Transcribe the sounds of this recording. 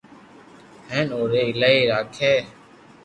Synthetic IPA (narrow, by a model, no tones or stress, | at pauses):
ɦẽːnoːɾeːɪlaːiːɾaːkʰeː